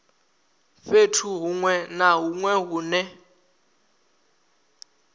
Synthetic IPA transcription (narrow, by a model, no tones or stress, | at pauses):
fetʰuɦuŋwɛnaɦuŋwɛɦuːnɛ